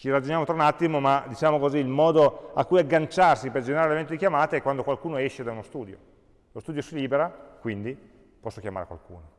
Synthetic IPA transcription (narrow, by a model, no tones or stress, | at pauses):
t͡ʃirad͡ʒonjaːmot̪ɾaunat̪ːimomad̪it͡ʃaːmokoziːlmɔːd̪oakːujaɡːant͡ʃarsiperd͡ʒeneɾaɾelevent̪od̪ikʲjamaːt̪eɛkːwand̪okwalkuːnoɛʃːed̪anost̪uːd̪jo̰ | lost̪uːd̪josiliːbeɾakwind̪i | pɔsːokjama̰ːɾḛkwa̰lkuːno